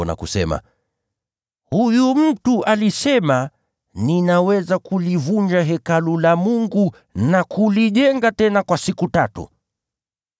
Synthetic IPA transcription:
ɔna̰kusɛ̰ma̰ | hujum̩tuʔalisɛma | ninawɛzakulivuɲd͡ʒaɦɛkalulamuŋɡu | nakuliʄɛŋɡatɛnakwasikutatṵ

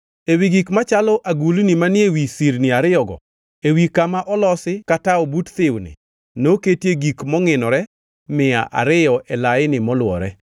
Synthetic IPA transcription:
ewiɡikmat͡ʃalɔʔaɡulnimanɪewisiɾnɪaɾɪjɔɡɔ̰ | ewikamaʔɔlɔsɪkataɔbutt̪ɪwnɪ̰ | noketjeɡikmɔŋɪnɔɾɛ | mɪa̰ʔa̰ɾɪjɔʔɛlaɪnɪmɔlwɔ̰ɾɛ

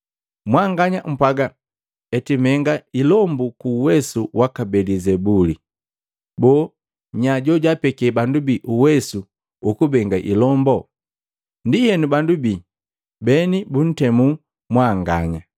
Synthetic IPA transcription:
mwaŋɡaɲam̩paɡa | ɛtimɛŋɡailɔmbukuːwɛsuwakabɛlizɛbuli | bɔː | ɲaɟɔɟapɛkɛbandubiʔuwɛsu | ukubɛŋɡaʔḭlɔmbɔ | ndihɛnubandubiː | bɛnibun̩tɛmu | mwaŋɡaɲa

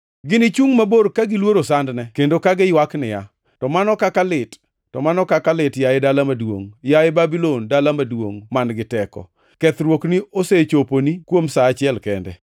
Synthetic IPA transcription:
ɡɪnɪt͡ʃuŋmaboɾkaɡɪlwoɾosandnɛkendokaɡɪjwaknɪja̰ | tɔmanɔkakalɪtː | ɔmanɔkakalɪtjaɪdalamadwo̰ŋjaɪbabilondalamadwo̰ŋmanɡɪtɛkɔ̰ | kɛt̪ɾwoknioset͡ʃoponikwomsaːt͡ʃɪɛlkɛndɛ̰

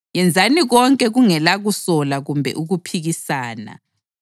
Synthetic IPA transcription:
jɛnd͡zʱaniɣɔŋkʼɛɣuŋɛlaɣusɔlaɣumbʱɛ̰ʔuɣupʰiɣisaːna̰

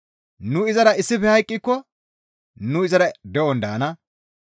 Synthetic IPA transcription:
nʊɪzɐɾɐɪsːɪfɛhɐjkʼːɪkːɔ | nʊɪzɐɾɐd̪ɛʔɔnd̪aːnɐ

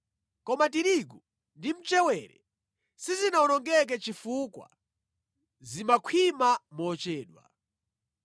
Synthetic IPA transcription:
kɔmatiɾiɡɔ | ndim̩t͡ʃɛwɛɾɛ̰ | sizinaunɔŋɡɛk̬ɛt͡ʃifukwa̰ | zimakʰwimamɔt͡ʃɛːɗwa̰

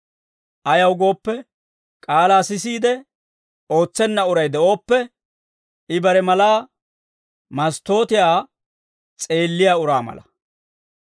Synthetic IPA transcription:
ʔɐjɐwɡo̞ːpːɛ | kʼaːlaːsɪsiːd̪ɛ | o̞ːt͡sːɛnːɐʊɾɐjd̪ɛʔo̞ːpːɛ | ɪbɐɾɛmɐlaː | mɐst̪o̞ːt̪ɪjaː | t͡sʼe̞ːlːɪjaːʊɾaːmɐ̰lɐ

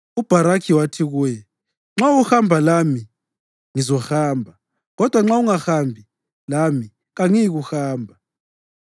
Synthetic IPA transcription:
ub̥ʱaɾakʰiwatʰiɣuːjɛ | ŋ͡ǁawuhambʱalami | ŋizɔhaːmbʱa | ɣɔd̥ʱwaŋ͡ǁauŋaxambʱi | lami | ɣaŋijiɣuxaːmbʱa

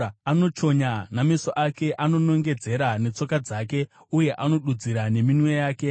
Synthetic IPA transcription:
ano̞t͡ʃo̞ɲanamesoʔake̞ʔano̞no̞ŋɡe̞d͡ze̞ɾane̞t͡so̞kad͡zaːke̞ | uje̞ʔano̞ɗud͡ziɾane̞minwe̞jaːke̞

